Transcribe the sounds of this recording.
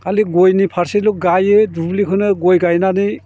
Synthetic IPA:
aliɡojnipʰaɾsiluk̚ɡajedublikʰɯnɯɡojɡajnani

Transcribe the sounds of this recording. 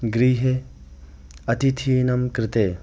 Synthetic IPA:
ɡɾiːɦe | ɐt̪it̪ʰiːnɐmkɾɪt̪eː

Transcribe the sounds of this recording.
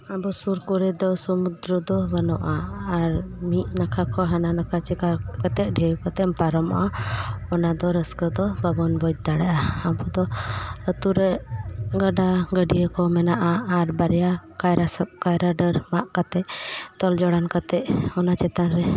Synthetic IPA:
abɔsuɾkɔɾɛd̪ɔsɔmud̪ɾəd̪ɔbanɔʔaːɾmit̪̚nakʰakʰɔɦananakʰat͡ʃikakat̪ɛʔ̚ɖʱɛwkɔt̪ɛmpaɾɔmʔaɔnad̪ɔɾəskəd̪ɔbabɔnbɔd͡ʒd̪aɽaʔaabɔd̪ɔət̪uɾɛɡəɖaɡəɖijəkɔmɛnaʔaːɾbaɾjakajɾaskajɾaɖəɾmaʔkat̪ɛʔt̪ɔld͡ʒɔɽankat̪ɛʔ̚ɔnat͡ʃɛt̪anɾɛ

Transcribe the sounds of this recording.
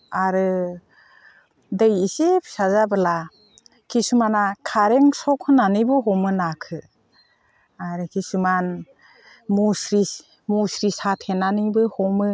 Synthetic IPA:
aɾɯ | dɯjisep̚sazabɯla | kʰisumanakʰaɾeŋsɔkʰɯnanibɯɦɔmɯnakʰɯ | aɾɯkʰisuman | musɾi | musɾisatʰenanibɯhɔmɯ

